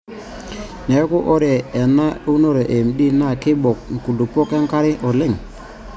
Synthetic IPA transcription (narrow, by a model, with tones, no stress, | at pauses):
nɛ˨˦ku˦ʔɔ˦ɾeː˨na˦u˦no˦ɾe˨ʔe˨mɗi˦na˦˨kɪ˦bɔ˨k̚ŋ˨ku˨lu˨pːo˦kɛ˦ŋka˦ɾɪ˦ʔɔ˨le˦˨ŋ